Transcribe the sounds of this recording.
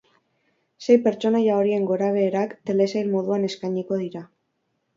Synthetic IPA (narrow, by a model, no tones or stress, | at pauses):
se̞jpe̞ɾt͡ʃo̞najao̞ɾie̞ŋɡo̞ɾaβ̞e̞ːɾakt̪e̞le̞sajlmo̞ðuane̞skajɲiko̞ðiɾa